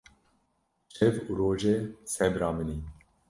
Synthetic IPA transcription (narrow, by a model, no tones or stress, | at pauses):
ʃɛvuːɾoːʒesɛbɾɑːmɨni